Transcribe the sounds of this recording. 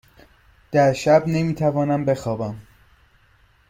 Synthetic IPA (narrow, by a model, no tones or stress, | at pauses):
d̪̥æɾʃæbne̞miːt̪ʰævɒːnæmbe̞xɒːbæm